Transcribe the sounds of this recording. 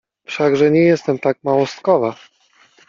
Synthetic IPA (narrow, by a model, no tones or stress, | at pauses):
fʂaɡʐɛɲɛjɛst̪ɛmt̪ak̚mawɔst̪kɔva